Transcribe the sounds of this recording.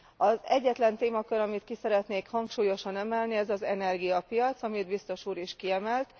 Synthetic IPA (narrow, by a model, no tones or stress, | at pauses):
ɒzɛɟːɛt̪lɛnt̪eːmɒkøɾɒmit̪kisɛɾɛt̪neːkhɒŋkʃuːjo̞ʃɒnɛmɛlniɛzɒzɛnɛrɡijɒpijɒt̪sɒmid̪̚bist̪o̞ʃuːɾiʃkiɛmɛlt̪